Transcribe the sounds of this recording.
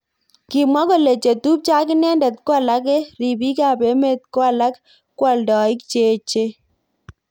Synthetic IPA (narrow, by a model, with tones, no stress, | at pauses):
ki˨mwɔ˦ko˦le˨t͡ʃe˨tu˦p̚t͡ʃa˦kɪ˦nɛ˦ndɛ˨t̪̚kwa˦˨la˦k̬ɛ˦ɾi˨bi˦ka˦˨pe˦me˦t̪̚kwa˦la˦k | kːwa˨ldɔ˨i˦kt͡ʃe˨t͡ʃe˦